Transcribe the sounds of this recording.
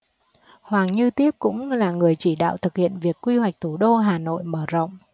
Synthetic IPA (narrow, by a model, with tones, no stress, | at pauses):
hwaː˨˩ŋɲɨ˧t̪i˦˥əp̚kʊ̰˧˥ŋ͡mlaː˨˩ŋɨ˨˩əjt͡ɕi˧˩ɗa̰ː˧˨wt̪ʰɨ˨˩k̚hḭ˧˨ənvi˨˩əkːwi˧hwa˨˩jk̟̚t̪ʰu˧˩ɗo˧ɦaː˨˩no̰˧˨jməː˧˩zə̰˧˨wŋ͡m